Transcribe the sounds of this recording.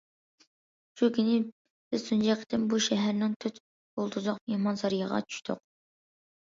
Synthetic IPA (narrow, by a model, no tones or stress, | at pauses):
ʃukʲynɪ | b̥ɪzsund͡ʒɛqʰə̥t̪ɪmbuʃɛɦæɾnɪŋt̪ʰøt̪ | bolˠd̪ɾd̪ʊqpihmɑnsɑɾijɑʁɑ̰t͡ʃʰy̥ʃt̪ʰʊ̰q̚